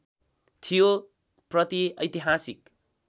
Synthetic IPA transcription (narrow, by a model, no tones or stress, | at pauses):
t̪ʰijo | prʌt̪iʌjt̪iɦasik